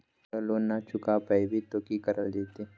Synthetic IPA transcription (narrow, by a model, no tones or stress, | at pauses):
əloːnat͡ʃʊkapəjbit̪oːkikɐɾəld̪eːt̪e